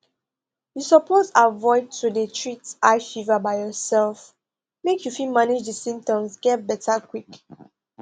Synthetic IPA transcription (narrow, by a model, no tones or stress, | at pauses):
jusɔpʰotavɔɪd̚tudətʰɹitaɪfivəbaɪjɔsɛlf | mekʰjufilmanid͡ʒdəsĩmp̚tɔ̃msɡɛt̚bɛtʰakwik